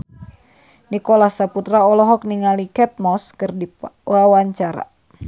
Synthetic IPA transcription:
nikɔlahsaput̪ɾaɔlɔɦɔk̚niŋalikɛt̪̚mɔskɨrdiwawaɲt͡ʃaɾa̰

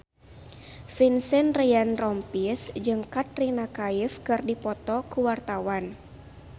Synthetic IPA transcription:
finsɛnrijanrɔmpisd͡ʒɨŋkat̪̚rinakaifkɨrdipɔt̪ɔkuwart̪awan

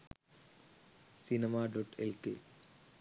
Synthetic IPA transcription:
sinimaːɖoʈelkḛ

